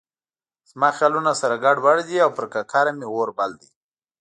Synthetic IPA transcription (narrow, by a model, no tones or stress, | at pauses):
z̥mɑxjɑlunasaɾaɡaɽbaɽd̪iawpəɾkakʰaɾameɣoɾbald̪i